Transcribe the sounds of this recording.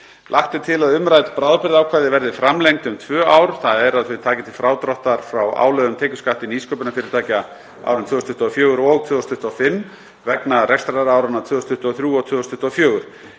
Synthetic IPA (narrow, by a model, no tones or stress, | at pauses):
lʔaht̪ɪt̪ʰɪlaðʏmɾaːjt̪lpɾaːwðpɪɾðawkʰvaːjðɪvɛɾðɪfɾamlejŋk̚t̪ʏmt̪ʰvœːaːwɾ̥θaðɛɾaðθvɪðt̪ʰaːcɪt̪ʰɪlfɾaːwt̪ɾɔht̪aɾ̥fɾawa̰ːwlœðʏmt̪ʰɛːkcʏ̥skaht̪ɪniskʰœːpʏnafɪːɾɪɾt̪aːca | a̰wɾʏmt̪ʰʏːɔst̪ʰʏht̪ɔafjœːɣʏɾɔɣt̪ʰvʏːɔst̪ʰʏht̪ːafɪmː | vɛknarɛkst̪ɾaðaɾaːwɾanat̪ʰʏːðɔst̪ʏht̪ːɔθɾjuːɔt̪ʰvʏðɔst̪ʰʏ̥ht̪ːafjœːɣʏɾ̥